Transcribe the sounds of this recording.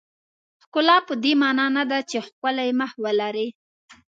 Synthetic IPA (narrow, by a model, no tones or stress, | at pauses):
xkʊlɑpəd̪emɑnɑnad̪at͡ʃexkʊlajeməhwəlaɾi